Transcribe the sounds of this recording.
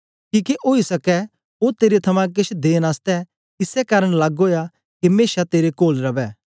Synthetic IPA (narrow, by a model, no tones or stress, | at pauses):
kiːkeʔoːisɐkɛ | ot̪eːɾet̪ʰɐmãk̬ɪt͡ʃʰd̪eːnaːst̪ɛ | ɪsɛkaːɾəɽ̃laːɡɦoːja | kimeːʃat̪eːɾekoːlɾɐbɛː